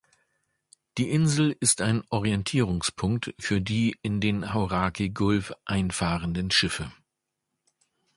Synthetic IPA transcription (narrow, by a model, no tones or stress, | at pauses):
d̥iːʔɪnzl̩ɪstaɪnʔɔʁiɛntʰiːʁʊŋspʰʊŋk̚tfyːɐdiːɪndeːnhaʊʁaːkʰiɡʊlfʔaɪnfaːʁəndənʃɪfə